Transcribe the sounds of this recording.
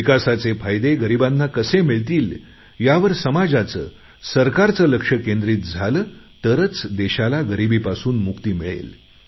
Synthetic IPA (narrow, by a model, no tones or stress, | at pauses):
ʋikasat͡sefajd̪eɡəɾibanːakəsemiɭt̪iːl | jaʋəɾsəmad͡zat͡sə̰ː | səɾkaɾt͡səːləkʂəkẽnd̪ɾiːt̪̚d͡zʱaləːt̪əɾət͡sd̪ɛɕalaɡəɾibiːpasuːnmukt̪iːmiɭḛl